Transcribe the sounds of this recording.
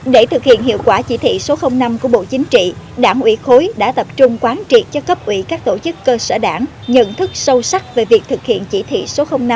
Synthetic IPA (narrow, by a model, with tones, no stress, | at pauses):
ɗe˧˩t̪ʰɨ˨˩k̚hḭ˧˨ənhḭ˧˨əwkwaː˧˩t͡ɕi˧˩t̪ʰḭ˧˨so˨˦xə˧wŋ͡mna˧mku˧˩əɓo̰˧˨t͡ɕï˨˦ŋ̟t͡ɕḭ˧˨ | ɗaː˧˩ŋʔwi˧˩xo˨˦jɗa̰ː˧˥t̪ə˨˩p̚t͡ɕʊ˧ŋ͡mkwaː˨˦nt͡ɕi˨˩t̚t͡ɕɔ˧kə˦˥p̚ʔwi˧˩kaː˦˥k̚t̪o˧˩t͡ɕɨ˦˥kːəː˧sə̰ː˧˩ɗaː˧˩ŋ | ɲə̰˧˨nt̪ʰɨ˦˥k̚sə˧wsa˦˥k̚ve˨˩vi˨˩ək̚t̪ʰɨ˨˩k̚hḭ˧˨ənt͡ɕi˧˩t̪ʰḭ˧˨so˨˦xə˧wŋ͡mna˧m